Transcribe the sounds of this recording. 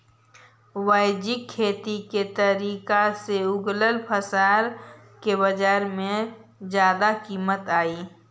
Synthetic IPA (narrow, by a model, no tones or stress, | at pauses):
waːɪd͡ʒɪkʰːeːt̪iket̪əɾiːkaseʊɡləlpʰəsaːɾ | kebəd͡ʒaːɾmẽ | d͡ʒjaːd̪akiːmət̪aːiː